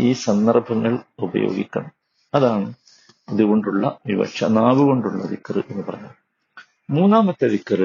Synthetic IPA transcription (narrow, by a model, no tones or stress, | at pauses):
iːsɐnd̪ɐrbʱɐŋːɐɭubɐ̰jo̞̰ːɡḭkʲːɐɳɐm | ɐðaːɳɨ | ɐðuɣo̞ɳɖuɭːɐ̰ʋiʋɐ̰ɕɐ̰naːʋuɣo̞ɳɖuɭːɐ̰ðikːɐrɨ̰ʔe̞nːupɐrɐɲːa̰ːɭ | muːnːaːmɐt̪ːɐd̪ikːɐrɨ